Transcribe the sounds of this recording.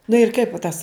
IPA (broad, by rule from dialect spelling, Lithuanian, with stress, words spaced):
nʊ ɪr ˈkɐɪp ʋɐ ˈtɐs